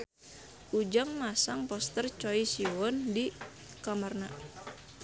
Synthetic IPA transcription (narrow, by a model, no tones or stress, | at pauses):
ʔud͡ʒaŋmasaŋpɔst̪ərt͡ʃɔisiwɔndi | kamərna